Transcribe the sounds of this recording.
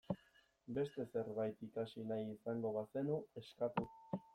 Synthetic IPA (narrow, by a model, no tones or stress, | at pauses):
be̞st̪e̞se̞ɾβajt̪ikasinajisaŋɡo̞βase̞nue̞skat̪u